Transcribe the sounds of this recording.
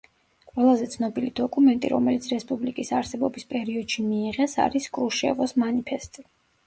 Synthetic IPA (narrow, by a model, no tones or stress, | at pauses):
qʼwɛlˠazɛt̪sʰnɔbilid̪̥ɔkʼumɛnt̪ʼḭɾɔ̰mɛlit̪sʰɾɛspʼublikʼisaɾsɛbɔbispʼɛɾiɔd̪̥ʃimiːʁɛsa̰ɾiskʼɾuʃɛ̰vɔsmanipʰɛst̪ʼi